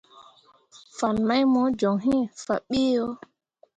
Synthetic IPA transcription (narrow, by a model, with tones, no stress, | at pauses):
fa˨nma˦jmɔ˨˦d͡ʒɔ˨ŋɦĩ˦fa̰˨ɓi˦jo˦